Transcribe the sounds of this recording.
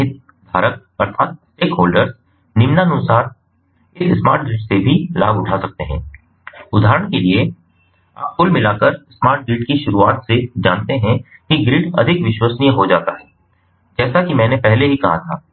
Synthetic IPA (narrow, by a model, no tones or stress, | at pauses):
ɦɪt̪̚ | d̪ʱaːɾək̚ | ɐɾt̪ʰaːt̪̚sʈeːkɦoːlɖəɾz | nɪmnanʊsaːɾ | ɪssma̰ːɾʈ̚ɡɾiːʈsebʱila̰ːɡʊʈʰasɐk̚t̪eɦɛ̰̃ː | ʊd̪ʱaːɦɾəɽ̃kelie | a̰ːp̚kʊlmɪlakəɾsmaːɾʈ̚ɡɾiːʈkiʃʊɾuaːt̪sed͡ʒãːnt̪eɦɛ̃kiɡɾiːʈɐ̰d̪ʱɪkʋɪʃwəsnijəɦod͡ʒaːt̪aɦɛː | d͡ʒɛːsakimɛ̃ːnepɛɦleɦikɐɦat̪ʰa̰ː